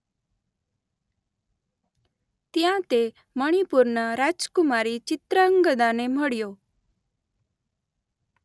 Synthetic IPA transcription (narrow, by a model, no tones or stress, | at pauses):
t̪jãt̪e | məɽ̃ipuɾɳəɾad͡ʒkumaɾit͡ɕit̪ɾəəŋɡəd̪ãnem̤əɽjo